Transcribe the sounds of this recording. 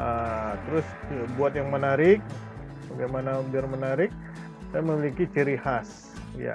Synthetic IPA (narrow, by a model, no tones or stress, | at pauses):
ət̪əɾʊsbuat̪̚jaŋmənaɾɪk̚ | baɡajmanabɪrmənaɾɪk̚ | saaməmilikit͡ʃiɾihas | ja̰